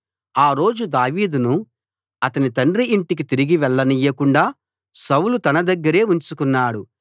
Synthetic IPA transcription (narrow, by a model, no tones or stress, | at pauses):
aːɾo̞ːd͡ʒud̪aːʋiːd̪unu | ɐt̪ɐnit̪ɐɳɖɾiiɳʈik̬it̪iɾiɡiʋɛɭːɐnijːɐkuɳɖaː | sɐwlut̪ɐnɐd̪ɐɡːɐɾe̞ːuɲt͡ʃukunːaːɽu